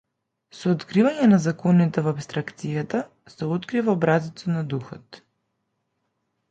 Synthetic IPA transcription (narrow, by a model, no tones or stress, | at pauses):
sɔːt̪kɾivaɲɛnazakɔnit̪ɛvapst̪ɾakt̪sijat̪a | sɛot̪kɾivaobɾazit̪sɔnad̪uxɔt̪